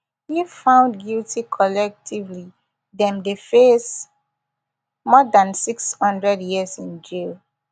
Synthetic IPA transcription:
hifãʊ̃ndɡiltʰikʰɔlɛk̚tʰivli | dɛ̃mdefes | mɔdãnsikshʌ̃ndɹɛdjiəsĩnd͡ʒil

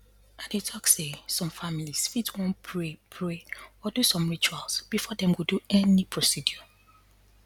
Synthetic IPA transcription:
adetʰɔksesɔ̃mfamilisfitwõnpʰɹepʰɹeɔdusɔ̃mɹit͡ʃualsb̥ifɔdɛ̃mwuduɛnipʰɹɔsidjɔ

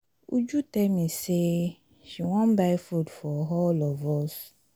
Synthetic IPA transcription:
ṵd͡ʒutɛmĩse | ʃiwɔ̃nbaɪfudfɔɦɔlɔvɔs

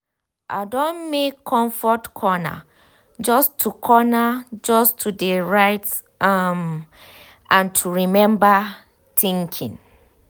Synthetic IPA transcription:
ʔa̰dɔ̃nmekʰːɔ̃ɱfɔtkʰɔna̰ | d͡ʒɔstʰːukʰɔnad͡ʒɔstʰudeɹaɪt | am | ʔãntʰuɹimɛ̃mba | tĩŋkʰḭ̃n

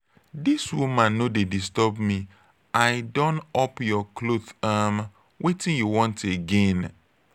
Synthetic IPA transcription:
diswumãnːõdedistɔbmĩ | aɪdɔ̃nɔpjɔkʰloθam | wʔetĩnjuwɔ̃nteɡẽn

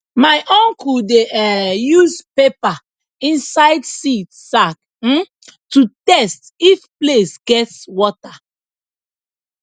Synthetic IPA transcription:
maɪʔɔ̃ŋkudeɛjuzpepa | ĩnsaɪdsitsak̚ | m̩ | tutɛst | ifplesɡ̥ɛtswɔta

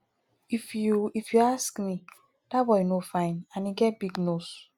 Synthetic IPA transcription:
ifuifjuaskmi | d̥awɔjnofãɪ̃nãniɡɛt̚biɡnos

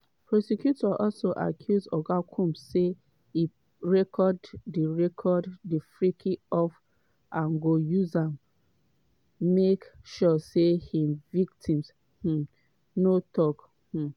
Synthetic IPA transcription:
pɹɔsekjutɔʔɔlsoʔa̰kʰjuzdɔɡakʰũmse | i | ɹɛkʰɔdːiɹɛkʰɔdːifɹikʰiɔf | ãnɡojuzãm | mekʃɔsehĩmviktʰĩms | h̩ | notɔk | h̩

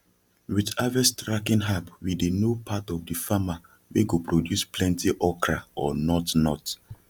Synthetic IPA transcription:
widavɛstɹakĩnɦapwidenopʰatɔvdifama | weɡopɹodjusplɛ̃ntiʔɔkɹaɔnɔtnɔt

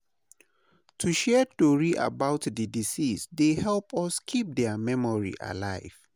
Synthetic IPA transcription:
tʰuʃɛtoɹiʔa̰baʊtdədisisdehɛlpɔskʰip̚dɛəmɛmɔɹḭʔa̰laɪv̥

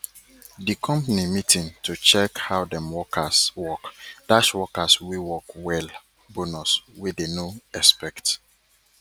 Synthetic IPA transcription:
dikʰɔ̃mpanimitʰĩŋtʰut͡ʃɛkhawdɛ̃mwɔkʰaswɔkd̥aswɔkaswiwɔkwɛl | bonuswidenoɛspɛkt

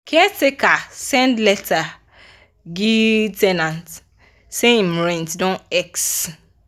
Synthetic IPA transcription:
kʰɛtekasɛ̃ndlɛta | ɡitɛnãnt | seĩm̩ɾɛ̃ntdɔ̃nɛks

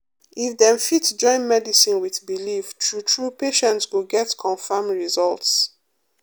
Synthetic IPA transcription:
ifdɛ̃mfitsd͡ʒɔ̃ɪ̃nmɛdisĩnwiθbiliftʰɹutʰɹupeʃɛ̃ntsɡoɡɛtkʰɔ̃nfamɹizɔlts

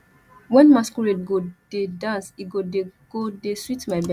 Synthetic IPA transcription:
wɛ̃nmaskuɹetɡod̥edãnsiɡoeɡ̥odeswitmaɪbɛ

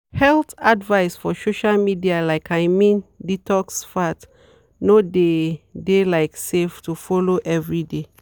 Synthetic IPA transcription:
hɛltadvaɪsfɔsoʃalmidialaɪkʰaɪmĩnditɔksfat | nodedelaɪkseftufɔloʔɛvɹide

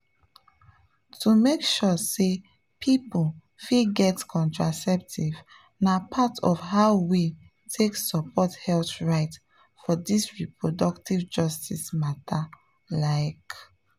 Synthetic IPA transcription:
tʰumekʃɔse | pʰipul | fiɡɛtkʰɔ̃ntɹasɛp̚tʰiv | napʰatʰɔ̰fhaʊwi | tʰeksɔpʰɔthɛlθɹaɪt | fɔdisɹipɹodɔktivd͡ʒɔstismatʰa | laɪk

